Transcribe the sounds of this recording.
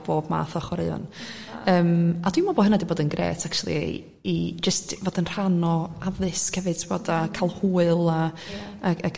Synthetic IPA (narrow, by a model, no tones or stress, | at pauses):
b̥oːbma̰ːθɔχwɔɾɪɔ̰n | əːmad̥wimɔbɔɦənadiboːdənɡɾḛːtʰak̚t͡ʃʰulˠḭ | id͡ʒəstvɔdənr̥anɔavɨskʰɛvɨd̥̚tʰɪboːdakʰalˠhuːɨlˠaː | a